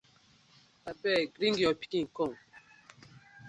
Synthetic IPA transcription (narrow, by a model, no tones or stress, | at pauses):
abɛɡɾiŋɡjɔpi̥ĩŋkɔŋ